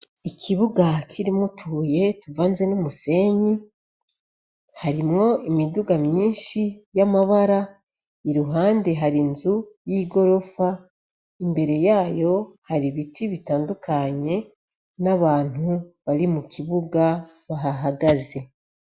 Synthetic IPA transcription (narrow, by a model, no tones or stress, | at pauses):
ikʰiβuɡakʰiɾimŋutʰuːje̞tuvaːnze̞numuse̞ɲi | haɾimŋo̞imiduɡamɲiːnʃijamaβaɾa | iɾuɦaːnde̞ɦaɾinzujiːɡo̞ɾo̞fa | imbe̞ɾe̞jaːjo̞haɾiβitiβitaːndukʰaɲe̞ | naβaːn̥huβaɾimukiβuɡa | βaɦaɦaɡaze̞